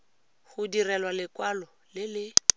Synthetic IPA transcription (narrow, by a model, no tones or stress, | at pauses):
χʊdirɛlwalɪkwalɔ | lɪlɪ